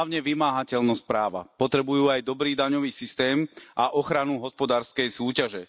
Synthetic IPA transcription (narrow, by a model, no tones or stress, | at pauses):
ʊɲɛʋimaːɦacɛʎnɔscpɾaːʋa̰pɔt̪ɾɛbujuːajd̪ɔbɾiːd̪aɲɔʋiːsist̪ɛːmʔaʔɔxɾanuɦɔspɔd̪aːɾskɛjsuːcaʒɛ